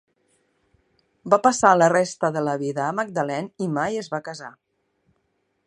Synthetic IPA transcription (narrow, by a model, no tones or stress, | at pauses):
bapəsalərest̪əðələβiðəːməɡ̚d̪əlɛnimajəzβakəza